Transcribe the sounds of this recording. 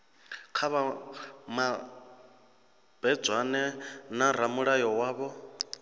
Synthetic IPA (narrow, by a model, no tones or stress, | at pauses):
kʰaβama | b̥ɛd͡zwanɛnaɾ̤amuɺajɔwaːβɔ